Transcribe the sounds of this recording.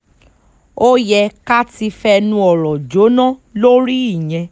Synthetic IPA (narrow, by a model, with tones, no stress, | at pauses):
o˦jɛ˧ka˦ti˧fɛ˦˧nũ˧ɔ˨ɾɔ̃˨d͡ʒo˨˦nã˦lo˦ɾi˦i˦˨j̃ɛ̃˧